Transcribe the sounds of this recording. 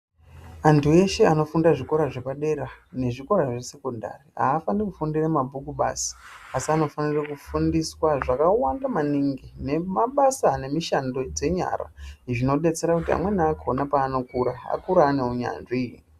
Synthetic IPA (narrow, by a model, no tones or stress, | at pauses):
antʰue̞ʃe̞ano̞fundaʐiko̞ɾaʐe̞paɗe̞ɾane̞ʐiko̞ɾaʐese̞konda̰ria̰ːfanekufundiramabʱukuɓa̰si̥asiano̞fanirakufundiswaʐakawandamaniŋɡine̞maɓasane̞miʃando̞d͡ze̞ɲa̰ra̰ʐino̞ɗe̞t͡se̞ɾakutia̰mwe̞naakʰonapaːno̞kuɾaa̰kuɾaːne̞uɲa̰nʐiː